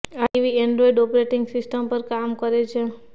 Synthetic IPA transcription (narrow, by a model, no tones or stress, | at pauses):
aiʋiɛɳɖɾɔiɖɔpɾeʈɪŋɡsɪsʈəmpəɾkamkəɾet͡ʃʰe